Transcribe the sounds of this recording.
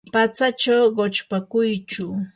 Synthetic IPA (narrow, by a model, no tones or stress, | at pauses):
pat͡sat͡ʃawɢot͡ʃpakʊjt͡ʃʊ